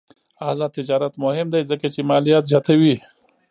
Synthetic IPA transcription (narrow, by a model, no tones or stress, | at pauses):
azɑt̪ɪd͡ʒɑɾat̪mʊhɪmd̪ajzəkat͡ʃemɑlijat̪zjɑt̪awi